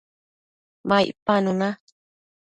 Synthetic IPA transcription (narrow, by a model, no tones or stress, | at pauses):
maj̰ʔpanuna